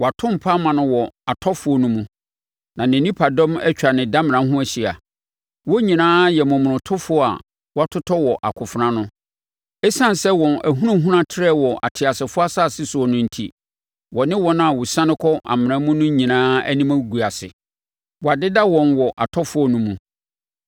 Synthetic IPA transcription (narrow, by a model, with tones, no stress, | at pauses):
wɔ˨a˨tʰʊ̃˦m̩˨pʰa˦mã˨nʊ̃˦wɔ˨a˨tʰɔ˦fʊ˨˦ɔ˦nʊ̃˦mũ˨ | nã˨nɪ̃˨nĩ˦pʰa˨dɔ̃˦mɛ̰˦t͡ɕᶣa˨nɪ̃˨da˦mɪ̃˨ã˨˦ɦʊ̃˦æ˨ɕi˨a̰˨ | wɔ˦ɲĩ˨nãː˦jɛ˨mʊ̃˨m̃˨ʊ̃˨tʰʊ˦fʊ˦ɔ˦a̰˨ | wɔ˦a˦tʰʊ˦tʰɔ˦wɔ˨ʔa̰˨kʰʊ˨fɾã˦nʊ̃˦ | ɛ˦sã˦n˨sɛ˦wɔ̃˨næ̰˨ɦũ˦ɾũ˦ɦũ˦ɾã˦tʰɪ˦ɾɛ˦wɔ˨ʔa̰˨tʰɪ˨a˨sɪ˨fʊ˦a˦saː˦˨sɪ˦sʊ˨ɔ˨nʊ̃˦n̩˦˨tʰḭ˦ | wɔ˨nɪ̃˦wɔ˦nʊ̃˦a˨wʊ˨sã˦nɪ̃˦kʰɔ˦ʔa̰˨mɪ̃˨nã˦mũ˦nʊ̃˦ɲĩ˨nãː˦æ̰˦nĩ˦mã˦˨ɡu˨a˨sɪ̰˨ | wɔ˨a˨dɪ˦da˦wɔ̃˨nwɔ˨ʔa̰˨tʰɔ˦fʊ˨˦ɔ˦nũ˦mũ˨